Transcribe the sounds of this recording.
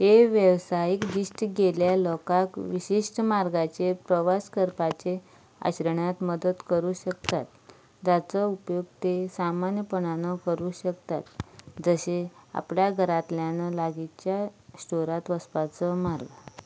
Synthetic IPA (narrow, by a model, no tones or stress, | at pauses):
ɦeʋjəʋsajikd͡ʑiɕʈɡeljalɔkakʋiɕiʂʈəmaɾɡat͡ɕepɾəʋaskəɾpat͡ɕe | a̰ɕɾəɳat̪məd̪əd̪kəɾuːɕək̚t̪at̪̚ | d͡zat͡səupjoɡ̚t̪esamanjəpəɳanəkəɾuːɕəkt̪at̪d͡zəɕea̰pljaɡʱəɾat̪ljanəlaɡit͡ɕjasʈoɾat̪ʋəspat͡səmaɾɡə